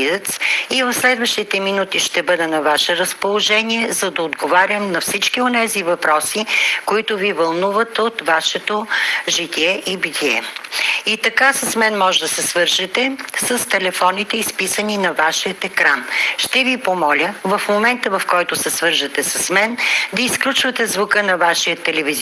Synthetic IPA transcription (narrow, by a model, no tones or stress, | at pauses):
izɛt̪sivɐfslɛd̪vəʃt̪it̪ɛminut̪iʃt̪ɛbɤd̪ɛnɐvaʃɛɾəspolˠoʒɛniɛzɐd̪ɐod̪ɡovaɾʲjəmnɐfsit͡ʃkionɛzivɐpɾɔsikoit̪ʊvivɐlˠnuvət̪ot̪vaʃɛt̪oʒit̪ʲiɛʔibit̪ʰʲiɛ̰it̪ɐkasɐsmɛnmɔʒd̪ɐsɛsvɤɾʒɐt̪ɛsəst̪ɛlɛfɔnit̪ɛispisəninɐvaʃiət̪ɛkɾanʃt̪ɛvipomɔlʲəvɐfmomɛnt̪əvɐfkɔjt̪ʊsɛsvɤɾʒət̪ɛsɐsmɛnd̪ɐisklʲut͡ʃvət̪ɛzvʊkɤnɐvaʃijət̪ːɛlɛviz